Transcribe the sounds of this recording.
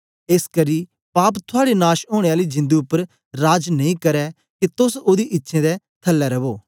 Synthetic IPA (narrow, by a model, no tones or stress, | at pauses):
eːskɐɾiː | paːpt̪ʰʊaːɽenaːʃɦoːɽ̃eaːlid͡ʒɪ̃nd̪uʊpːəɾ | ɾaːd͡ʒnɐĩkɐɾɛ | kit̪ʊsod̪iʔɪtːʃʰẽd̪ɛ | t̪ʰɐlːɛɾɐboː